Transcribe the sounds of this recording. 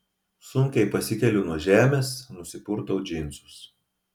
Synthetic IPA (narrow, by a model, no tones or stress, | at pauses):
sʊŋʲkʲɛɪpɐsʲɪkʲɛlʲʊnuɔʒʲæːmʲeːsnʊsʲɪpʊɾt̪oʊd͡ʒʲɪnʲˑt̪sʊs